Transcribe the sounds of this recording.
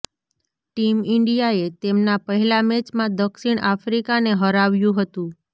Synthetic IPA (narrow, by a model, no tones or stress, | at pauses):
ʈimɪɳɖijaet̪emnapəɦɛlamet͡ʃmãd̪əkʃiɳ̃ʔafɾikaneɦəɾaʋjũɦət̪ũ